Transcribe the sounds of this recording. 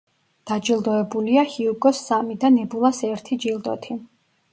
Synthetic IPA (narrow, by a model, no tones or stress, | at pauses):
d̪̥ad͡ʒilˠd̪ɔɛbuliahiuɡɔsːamid̪anɛbulˠasɛɾt̪ʰid͡ʒilˠd̪ɔ̰t̪ʰi